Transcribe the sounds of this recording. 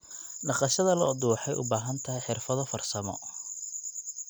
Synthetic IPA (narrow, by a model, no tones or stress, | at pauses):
ɖɑqɑʃɐðɐlɔːd̪uːħɛjʔʊ̰baːɦɐnt̪ʰɐɦɛjħɪrfɐðɔfɐrsɐmɔ̰